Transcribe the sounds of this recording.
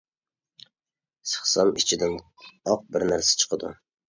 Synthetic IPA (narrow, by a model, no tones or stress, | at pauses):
sɨ̥χsɑnɪt͡ʃʰɪd̪an | ɒq̚bɪɾnæɾsḁt͡ʃʰɨ̥qʰɨd̪ʊ̰